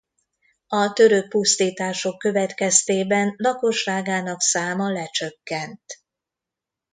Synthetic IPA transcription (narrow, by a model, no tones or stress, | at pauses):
ɒt̪ø̞ɾøk̚pust̪iːt̪aːʃo̞kːø̞vɛt̪kɛst̪eːbɛnlɒko̞ʃraːɡaːnɒksaːmɒlɛt͡ʃøkːɛnt̪